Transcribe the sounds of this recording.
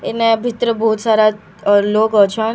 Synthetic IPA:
ɪnebʱɪt̪ɾəbɔːt̪saːɾa | loːɡət͡ʃʰaːn

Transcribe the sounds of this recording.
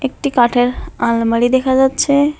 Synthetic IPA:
ek̚ʈikaʈʰeɾãlməɽid̪ekʰad͡ʒad̪t͡ʃʰɛ

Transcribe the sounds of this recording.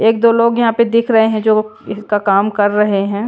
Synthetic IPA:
eːk̚d̪oːloːɡjɐɦãped̪ɪkʰɾɐɦeɦɛ̃d͡ʒoːɪskakaːmkɐɾːɐɦeɦɛ̃

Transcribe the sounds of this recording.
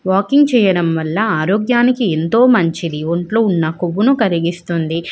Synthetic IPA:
ʋaːkiŋɡ̚t͡ʃɛːjɐɽɐmʋɐlːɐaːɾoːɡjaːnikie̞nt̪o̞ːmɐɲt͡ʃid̪iʋɐɳʈloːunːɐkoʋːunukɐɾiɡist̪und̪i

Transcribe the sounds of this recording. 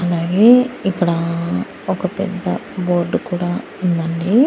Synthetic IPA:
ɐlaːɡeːikːɐɽa | ɔkːɐpɛ̰d̪ːɐ̰boːɾɖkuːɽa | ind̪ɐɳɖi

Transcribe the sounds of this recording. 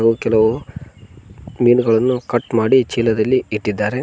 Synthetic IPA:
ɡukɛlɐʋu | miːnɡɐɭɐnːukɐʈmaːɽit͡ʃiːlɐd̪ɐlːiiʈːid̪ːaːɾe̞

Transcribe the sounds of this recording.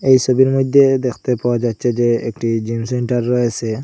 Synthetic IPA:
ejsobiɾmod̪ʱːed̪ekʰt̪epawad͡ʒat̪ːsʰed͡ʑeekʈid͡ʑimseɳʈaɾːɔjesʰe

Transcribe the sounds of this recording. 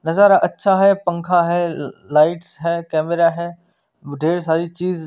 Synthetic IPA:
nɐzaːɾaʔɐtːʃʰaɦɛpɐ̃ŋkʰaɦɛːlaːɪʈsɦɛːkɛːmɪɾaɦɛː | ɖʱeːɾs̬aːɾit͡ɕiːz

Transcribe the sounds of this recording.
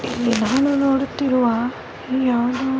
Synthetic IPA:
ilːinaːnunoːɽut̪ːiɾuʋaː | ijaːʋd̪u

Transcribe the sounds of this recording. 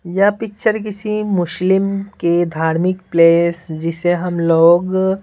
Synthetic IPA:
japɪk̚t͡ʃəɾkɪsimʊʃlɪmked̪ʱaːɾmɪkpleːsd͡ʒɪseɦɐmloːɡ

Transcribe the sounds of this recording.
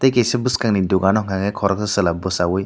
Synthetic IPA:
tejkejsɯbɯskaŋniduɡanɔŋaŋɯjkʰɔɾɔk̚sɯsɯlabɯsawɯj

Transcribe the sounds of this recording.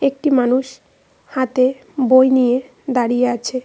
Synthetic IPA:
ek̚ʈimanuʃ | hat̪e | bojnije | d̪aɾijeat͡ɕʰe

